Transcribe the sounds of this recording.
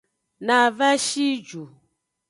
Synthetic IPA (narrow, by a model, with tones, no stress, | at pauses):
na˨vɛ˦ʃi˦d͡ʒu˨